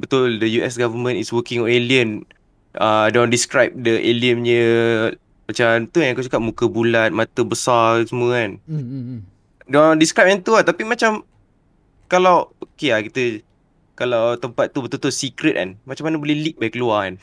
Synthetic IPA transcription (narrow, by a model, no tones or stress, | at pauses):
bət̪ʊldəjuɛsɡavəmə̃niswəkĩŋɔ̃neliən | ədondiskɾajp̚dəʔeliəmɲə | mat͡ʃamt̪ujaŋakat͡ʃakap̚mukəbulat̪̚mat̪əbəsasəmũəan | dɔndiskɾajp̚ant̪uat̪apimat͡ʃam | kalawokeakit̪ə | kalawt̪əmpat̪̚ːubət̪ut̪ʊt̪sikɾət̪̚a̰nmat͡ʃamːanəbolɛhlik̚bajkəluaan